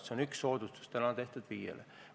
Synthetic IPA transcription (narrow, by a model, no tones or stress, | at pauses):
seonyksːo̞ːd̪ust̪u̥st̪ænɑt̪e̞ht̪ud̪̥viːjḛlḛ